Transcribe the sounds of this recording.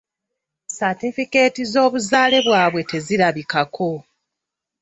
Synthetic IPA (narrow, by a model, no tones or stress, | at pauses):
satifike̞ːtizo̞ːβuzaːle̞βwaːβwe̞te̞ziɾaβikakʰo̞